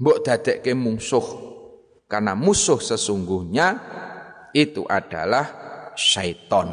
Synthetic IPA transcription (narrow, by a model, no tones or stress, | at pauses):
mboʔd̪̥a̤d̪̥ɛʔkemuŋsʊh | karnamusʊhsəsuŋɡuhɲa | it̪ṵʔaɖ̥a̰lahʃait̪ɔn